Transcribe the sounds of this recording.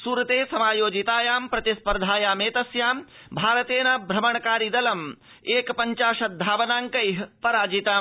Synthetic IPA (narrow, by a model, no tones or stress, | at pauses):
suːɾɐt̪eːsɐmaːjoːd͡ʒit̪aːjaːmpɾɐt̪ispɐɾd̪ʱaːjaːmeːt̪ɐsjaːm | bʱaːɾɐt̪eːnɐbʱɾɐmɐɳɐkaːɾid̪ɐlɐm | eːkpɐɲt͡ʃaːʃɐt̪̚d̪ʱaːʋɐnaːŋkɐjɦpɐɾaːd͡ʒit̪aː